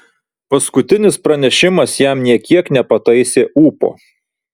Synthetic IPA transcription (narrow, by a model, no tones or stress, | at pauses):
pɐskʊt̪ʲɪnʲɪspɾɐnʲɛʃʲɪmɐsjæmnʲiɛkʲiɛknʲɛpɐt̪ɐɪsʲeːʔuːpo̰ː